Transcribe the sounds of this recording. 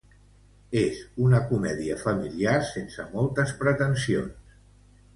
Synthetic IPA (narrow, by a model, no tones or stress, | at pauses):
ezunəkumɛðiəfəmiliaɾsensəmɔlˠt̪əspɾət̪ənsio̰ns